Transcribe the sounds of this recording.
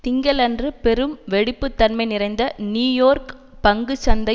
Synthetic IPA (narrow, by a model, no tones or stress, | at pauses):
t̪ɪŋɡɐlɐndrɯpɛɾɯmʋɛɽɪpːɯt̪ːɐnmɐɪnɪrɐɪnd̪ɐnjuːjoːɾk | pɐŋɡɯt͡ʃːɐnd̪ɐ